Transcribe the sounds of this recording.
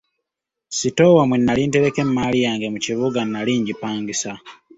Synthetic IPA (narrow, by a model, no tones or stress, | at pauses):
sito̞wamwenːaliːnte̞ɾe̞ke̞mmalijaːŋɡemuciβuɡanːaliːɲɟipaːŋɡisa